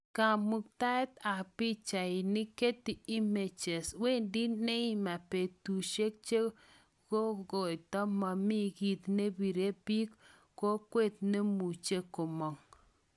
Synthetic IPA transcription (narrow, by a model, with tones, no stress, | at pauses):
ka˨mu˨k̚ta˦t̪a˨pi˦t͡ʃa˨i˨ni˦ke˦ti˨i˦me˨t͡ʃe˨swe˦˨ndi˦ne˦i˨ma˨pe˨tu˨ʃe˦k̚t͡ʃe˦ | ɡ̥o˦ɡo˨jtɔ˦ma˨mi˦ɡi˦˨t̪ne˦bi˨ɾe˦pi˦k | ko˦kwe˦˨t̪̚ne˦mu˨t͡ʃe˦ko˨mɔ˨ŋ